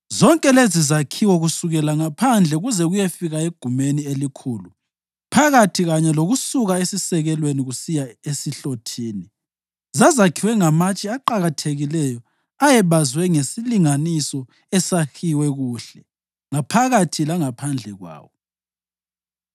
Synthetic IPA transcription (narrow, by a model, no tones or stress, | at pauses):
zɔŋkʼɛlezizakʰiwɔɣusuɣɛlaŋapʰand͡ɮʱɛɣuzɛɣujefiɣaeɡ̥ʱumenielikʰuːlu | pʰaɣatʰiɣaɲɛloɣusuɣaesisɛɣɛlweniɣusijaesiɬotʰiːni | zazakʰiwɛŋamat͡ʃʼiaǃaɣatʰeɣilɛjɔ | ajɛβazwɛŋesiliŋanisɔ | ɛsaxiwɛɣuːɬɛ | ŋapʰaɣatʰilaŋapʰand͡ɮʱɛɣwa̰ːwɔ